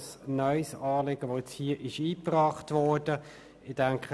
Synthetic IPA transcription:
snœʏsɑːleɡ̥əʋoːɛt͡shiːʔɪʃiːpʁɑːχtvɔːɹd̥ə | ɪd̥aŋkχə

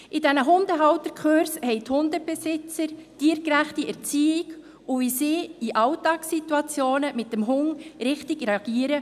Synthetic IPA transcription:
ʔidɛnəɦʊndəɦɑwt̪əɾkχøɾshɛɪthʊndəb̥ɛsɪt͡səɾtiːəɾkɾæχtiɛɾt͡siːɪɡ | ʊvisɪːiʔɑwtɑːksituɑt͡sjoːnəmɪt̚dəmɦʊŋɾɪχtɪɡɾeɑɡ̥iːəɾə

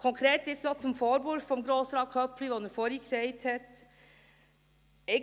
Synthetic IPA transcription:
kʰɔŋkʰɾeːt̪ɪt̪snɔt̪sɔmfoːɾbuɾfɔmɡɾoːsɾɑːkʰœpːflyːʋɔnəɾfɔɾjɪkseɪt̪ʰeːt̪ | e

